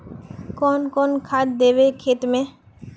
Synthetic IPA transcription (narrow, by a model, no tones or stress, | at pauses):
kɔnkɔːnkʰad̪̚d̪eːbekʰeːt̪mẽ